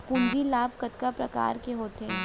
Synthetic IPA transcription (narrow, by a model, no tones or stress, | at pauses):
pʊnd͡ʒilaːbkɐt̪̚kapɾɐka̰ːɾkeɦoːt̪eː